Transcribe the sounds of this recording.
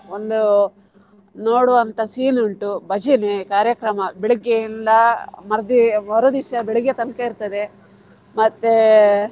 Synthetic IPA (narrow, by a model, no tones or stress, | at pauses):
ond̪u | noːɽuʋɐnt̪ɐsiːnuɳʈubɐd͡ʒinekaːɾjɐkɾɐmɐbiɭiɡeind̪ɐmɐɾd̪imɐɾud̪iʃɐbiɭiɡːet̪ɐnkɐiɾt̪ɐd̪e | mɐt̪ːe